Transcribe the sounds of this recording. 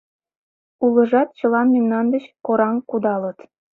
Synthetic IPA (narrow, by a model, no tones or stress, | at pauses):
ulɤ̆ʒɑt̪̚t͡ɕɤ̆lˠɑnmemnɑnd̪ə̆ɕkoɾɑŋkud̪ɑlɤ̆t̪